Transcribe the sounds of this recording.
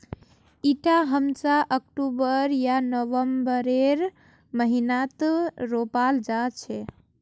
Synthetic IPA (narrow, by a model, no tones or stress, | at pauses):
iʈaɦəmsaʔək̚ʈubəɾjanəʋəmbəɾeɾ | məɦinat̪ɾopald͡ʒat͡ʃʰɛ